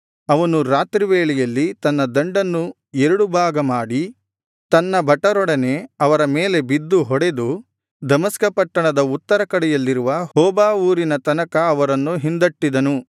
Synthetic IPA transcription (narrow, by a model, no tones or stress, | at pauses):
ɐʋɐnuɾaːt̪ɾiʋeːɭɛjɐlːit̪ɐnːɐd̪ɐɳɖɐnːu | ɛɾuɽubʱaːɡɐmaːɽi | t̪ɐnːɐbʱɐʈːɐɾɔɽɐne̞ɐʋɐɾɐmeːle̞bid̪ːuɦɔɽe̞d̪u | d̪ɐmɐskɐpɐʈːɐɳɐd̪ɐut̪ːɐɾɐkɐɽɛjɐlːiɾuʋɐhɔːbaːuːɾinɐt̪ɐnɐkɐːʋɐɾɐnːuɦind̪ɐʈːid̪ɐnu